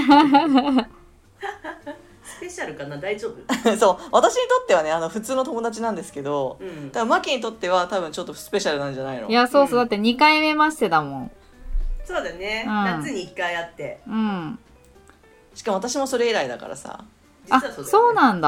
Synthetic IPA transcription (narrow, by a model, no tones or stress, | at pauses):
sɨ̥pe̞ɕaɾɯ̟kanad̪aiʑo̞ːbɯ̟so̞ːβat̪aɕiɲ̟it̪o̞t̪ːe̞β̞ane̞ano̞ɸɯ̟t͡sɨːnot̪o̞mo̞d̪at͡ɕinãnd̪esɨ̥ke̞d̪o̞d̪abɯ̟̃makʲiɲ̟it̪o̞t̪ːe̞βat̪aβɯ̟̃ɲ̟t͡ɕo̞t̪ːosɨ̥pe̞ɕaɾɯ̟nãɲd͡ʑanainojaso̞ːsoːd̪at̪ːe̞ɲ̟ikaime̞maɕi̥t̪e̞d̪amõ̞ŋ | soːd̪esneɯ̟̃at͡sɨɲ̟iːkːaiat̪ːe̞ɯ̟̃ɴ | ɕi̥kamo̞at̪aɕimo̞so̞ɾe̞iɾaid̪aka̰ɾa̰sa̰ | d͡ʑiaso̞ːnãnd̪a